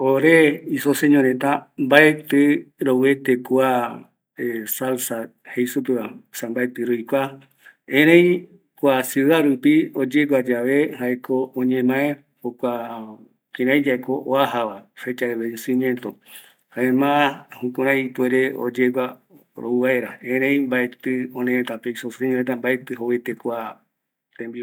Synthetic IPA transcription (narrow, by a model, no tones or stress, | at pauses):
oɾeisoseɲõɾẽt̪ambaet̪eɾowet̪ekwa | esalsa | hejsupeβasãmbaet̪ɨɾojkʷa | ẽɾ̃ẽj̃ | kʷasuðaɾupiod͡ʒeɡʷad͡ʒaʋehaekoõɲẽmãẽ | okʷa | kĩɾ̃ãj̃d͡ʒaekoʔoaɦaʋafe̞t͡ʃaeβed͡ʒesĩmjẽ̞nt̪o | haemãhũkuɾ̃ãjit̪weɾeo̰d͡ʒeɡʷa | ɾo̰uβaeɾaẽɾ̃ẽj̃mbaet̪ɨõnẽẽt̪apeisoseɲõẽt̪̬ambaet̪ɨɦowet̪ekʷa | t̪ẽmbi